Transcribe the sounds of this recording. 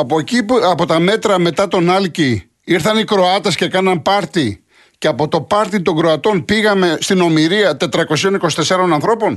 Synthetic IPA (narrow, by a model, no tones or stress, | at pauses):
ɐpociɐpo̞t̪ɐme̞t̪ɾɐme̞t̪ɐt̪o̞nɐlci | iɾθɐnikɾo̞ɐt̪e̞sce̞kɐnɐmpɐɾt̪i | ceɐpo̞t̪o̞pɐɾt̪it̪o̞ŋɡɾo̞ɐt̪o̞npiɣɐme̞st̪ino̞miɾiɐt̪e̞t̪ɾɐko̞sio̞niko̞si̥t̪e̞sɐɾo̞nɐnθɾo̞po̞n